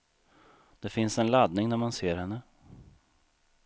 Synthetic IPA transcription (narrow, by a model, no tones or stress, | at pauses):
d̪̥ɛfɪnsɛnlad̪nɪŋnæɾmanseːɾhɛnːə